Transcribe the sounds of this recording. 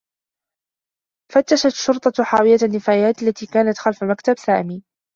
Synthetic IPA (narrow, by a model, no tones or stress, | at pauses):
fat̪ːaʃat̪ʃːʊɾt̪ˤɑħaːwɪjanːɪfaːjaːt̪alːat̪iːkaːnat̪xalfamakt̪absaːʔmiː